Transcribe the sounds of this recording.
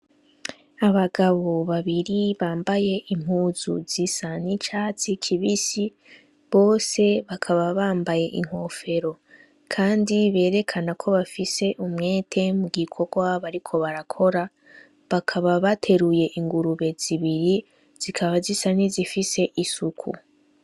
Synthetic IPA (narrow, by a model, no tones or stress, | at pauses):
aβaɡaβo̞βaβiɾiβaːmbaje̞ʔim̥huːzṵzisanit͡ʃaːt͡sikʰiβisi | βo̞ːse̞βakʰaβaβaːmbaje̞ʔiŋ̥ho̞fe̞ɾo̞ | kʰaːndiβe̞ːɾe̞kʰanakʰo̞βafise̞ʔumŋe̞ːtʰe̞muɡikʰo̞ɡwaβaɾikʰo̞βaɾakʰo̞ɾa | βakʰaβaβatʰe̞ɾuje̞ʔiŋɡuɾuβe̞z̥iβiɾi | z̥ikʰaβazisanizifise̞ʔisukʰṵ